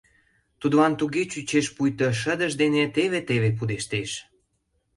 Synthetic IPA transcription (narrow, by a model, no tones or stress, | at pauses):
t̪ud̪βɑnt̪uɣet͡ɕyt͡ɕeʃpujt̪oʃ̬əd̪ə̆ʒd̪enet̪eβet̪eβep̬ud̪eʃt̪eʃ